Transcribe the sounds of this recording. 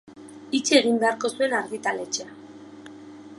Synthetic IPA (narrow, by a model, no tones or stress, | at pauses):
it͡ʃieɣ̞imbe̞aɾko̞sue̞naɾðit̪ale̞t͡ʃea